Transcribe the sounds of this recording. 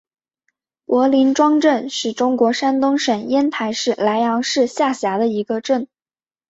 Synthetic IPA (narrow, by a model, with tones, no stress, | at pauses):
wʔɔ˧˥li˧˥nʈ͡ʂwɑ˥ŋʈ͡ʂə˥˧nʂɻ̩˥˩ʈ͡ʂʊ˥ŋkwɔ˧˥ʂa˥nt̪ʊ˥ŋʂə˨˩njɛ˥nt̪ʰa˧˥ɪʂɻ̩˥˩la˧˥ɪjɑ˧˥ŋʂɻ̩˥˧ɕja˥˩ɕja˧˥d̪ə˧i˧˥ɡə˧ʈ͡ʂə˥˩n